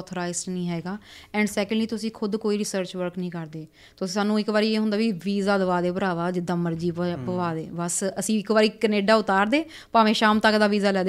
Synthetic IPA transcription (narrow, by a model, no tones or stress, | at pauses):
t̪ʰɾaːɪsʈnĩːɦɛːɡaːɛ̃ːɳɖsɛːkəɳɖliːt̪ʊsĩːkʰʊd̪koːiːɾɪsəɾt͡ʃʋəɾknəĩːkəɾd̪eː | t̪ʊsĩːsaːnːũːɪkbaːɾiːeːɦʊnd̪aːʋiʋiːzaːd̪əʋaːd̪eːpəɾaːʋaːd͡ʒɪd̪aməɾd͡ʒiːppəʋaːd̪eːbəsəsĩːɪkʋaːɾiːkəneːɖaːʊt̪aːɾd̪eː | paːʋẽːʃaːmt̪əkːd̪aːʋiːzaːlɛːd̪